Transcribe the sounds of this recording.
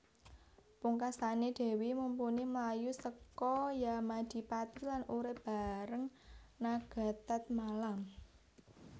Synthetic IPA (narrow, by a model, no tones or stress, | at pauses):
puŋkasaneɖ̥e̤wimumpuniməlajusəkɔjamad̪̥i̤pat̪ilanuɾɪb̥a̤ɾəŋnaɡ̥a̤t̪at̪̚malam